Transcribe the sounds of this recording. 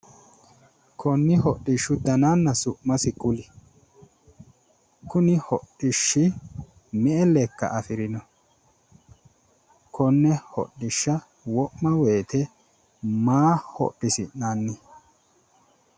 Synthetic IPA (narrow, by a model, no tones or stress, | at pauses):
kʰɔnːɪɦɔɗɪʃːʊd̪ɐnanːɐsʊʔmɐsɪkʊlɪ | kʊnɪhɔ̰ɗːɪʃːɪ | mɛʔɛlːɛkːɐ̰ʔɐfɪɾɪnɔ | kʰɔnːɛhɔ̰ɪʃːɐ | wɔʔmɐweːt̪ɛ | maːhɔ̰ɗːɪsɪnanːɛ